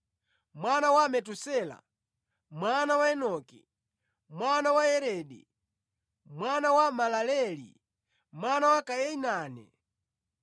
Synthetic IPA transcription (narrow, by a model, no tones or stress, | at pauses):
mwanawamɛtusɛla̰ | mwanawaɛnɔki | mwanawaɛɾɛːɗɛ̰ | mwanawamalalɛlḭ | mwanawakajɛinaːnɛ̰